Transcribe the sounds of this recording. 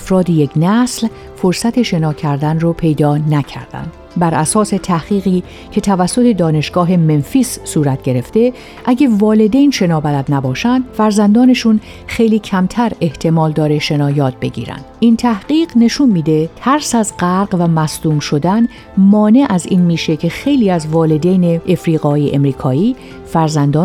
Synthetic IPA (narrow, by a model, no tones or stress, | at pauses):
æfɾɒːd̪ijeknæsl | foɾsæt̪ʰe̞ʃe̞nɒːcʰæɾd̪ænropʰe̞jd̪ɒːnæcʰæ̰ɾd̪æ̰nd̪̥ | bæɾæsɒːse̞t̪ʰæhɣ̥iːɣiː | cʰe̞t̪ʰævæsːo̞t̪ʰe̞d̪ɒːne̞ʃɡ̥ɒːɦe̞me̞nfiːsːuːɾæt̪̚ɟ̥e̞ɾe̞ft̪e̞ | ʔæɟævɒːle̞d̪ejnʃe̞nɒːbælæd̪næbɒːʃænd̪̥fæɾzænd̪ɒːne̞ʃun | xejliːcʰæmt̪ʰæɾe̞ht̪ʰe̞mɒːld̪ɒːɾe̞ʃe̞nɒːjɒːt̪̚be̞ɟḭːɾæ̰nd̪̥ʔint̪ʰæhɢiːɢne̞ʃunmiːd̪et̪ʰæɾsæzɢæɾɢvæmæsd̪uːmʃo̞d̪æn | mɒːne̞ʔæziːnmiːʃe̞cʰe̞xe̞jliːæzvɒːle̞d̪ejneːfɾiːɣɒːjeʔemɾiːkʰɒːiː | fæɾzænd̪ɒː